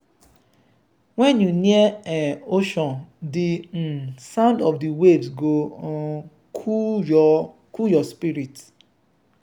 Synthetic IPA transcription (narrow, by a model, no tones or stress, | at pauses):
wɛnjuniɛeoʃɔ̃ndi | sãʊ̃ndɔfdiwevsɡo | kʰ | kujɔspiɾit